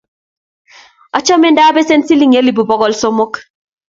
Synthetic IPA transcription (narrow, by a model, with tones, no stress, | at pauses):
ɔ˦t͡ʃɔ˦mɛ˨nda˦be˦se˦nsi˦li˦ŋe˦li˨bu˨bɔ˦ɡɔ˦lso˦mo˦k